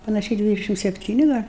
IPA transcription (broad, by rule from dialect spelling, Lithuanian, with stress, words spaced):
pɐnɐˈʃʲɛɪ ˈdʲʋʲɪdʲɛʃʲɪm sʲɛpʲˈtʲiːnʲɪ ˈɡɐlʲ